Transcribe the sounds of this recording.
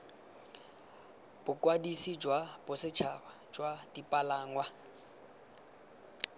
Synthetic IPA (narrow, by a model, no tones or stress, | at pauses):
b̥ʊkʼwadisid͡ʒwab̥ʊsɪt͡ʃʰaba | d͡ʒwadipʼalaːŋwa